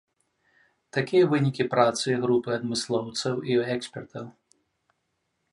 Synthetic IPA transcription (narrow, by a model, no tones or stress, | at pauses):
t̪akʲijɐvɨnʲikʲipɾat̪sɨɣɾupɨad̪mɨslˠɔwt̪sɐwiɛksʲpʲɛrt̪ʰɐw